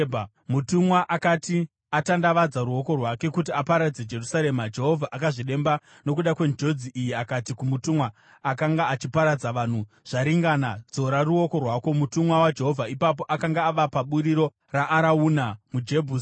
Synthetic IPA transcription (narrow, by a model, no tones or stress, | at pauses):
b | mutumwaʔakati | atandaʋad͡zaɾuo̞ko̞rwake̞kut̬iapaɾad͡zed͡ʒe̞rusaɾe̞mad͡ʒe̞ɦo̞vʱaʔakaʐiɗe̞mba | no̞kuɗakwe̞nd͡ʒo̞d͡ziʔijiakatikumutumwaː | kaŋɡaːt͡ʃipaɾad͡zaʋan̤u | ʐ̥aɾiŋɡanad͡zo̞ɾaruo̞ko̞rwaːko̞mutumwawad͡ʒe̞ɦo̞vʱaipap̬o̞ʔakaŋɡaːʋapaɓuɾiɾo̞ | raʔːɾauːnamud͡ʒe̞bʱuːs